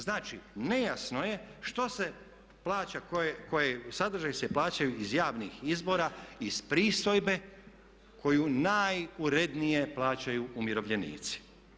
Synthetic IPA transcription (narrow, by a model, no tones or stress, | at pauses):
znaːt͡ʃine̞jasno̞jeʃt̪o̞se̞ | plˠaːt͡ɕakojekojesad̪r̩ʒajseplˠaːt͡ɕajuizjaːʋnixizbo̞ːɾaispɾiːst̪o̞jbe̞ | kʰo̞junajuɾe̞d̪nije̞plˠaːt͡ɕajuːmjiɾo̞ʋʎe̞nḭːt̪si̥